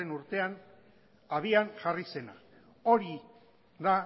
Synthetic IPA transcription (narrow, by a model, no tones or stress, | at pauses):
enuɾt̪e̞an | aβianʝarise̞na | o̞ɾi | ða